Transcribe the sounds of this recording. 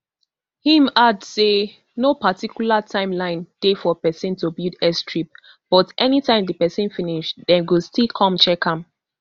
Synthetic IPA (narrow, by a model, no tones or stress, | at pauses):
hĩmadse | nopatikjulatʰãɪ̃mlãɪ̃ntefɔpɛsɛ̃ntobildɛstʰɹip̚ | b̥ɔtʔɛnitãɪ̃mdəpɛsɛ̃nfĩniʃdɛ̃nwilstilkʰɔ̃mt͡ʃɛkʰãm